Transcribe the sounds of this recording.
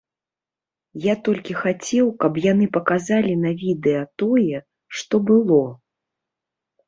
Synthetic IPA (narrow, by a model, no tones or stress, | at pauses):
jat̪ɔlʲkʲixat͡sʲɛwkɐpjanɨpɐkazalʲinɐvʲid̪ɛjɐt̪ɔjɛ | ʂt̪ɔbɨlˠɔ